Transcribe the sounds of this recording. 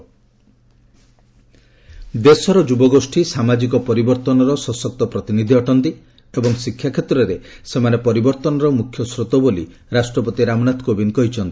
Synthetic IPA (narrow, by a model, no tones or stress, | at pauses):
d̪esɔɾɔd͡ʒubɔɡosʈʰisamad͡ʒik̬ɔpɔɾibɔɾt̪ɔnɔɾɔsɔsɔk̚t̪ɔpɾɔt̪inid̪ʱiɔʈɔnt̪i | ebɔŋsikʰːjakʰjet̪ɾɔɾesemanepɔɾibɔɾt̪ɔnɔɾɔmukʰjɔsɾot̪ɔbolḭ | ɾasʈɾɔpɔt̪iɾamɔnat̪kobinkɔɦit͡ʃʰɔnt̪i̥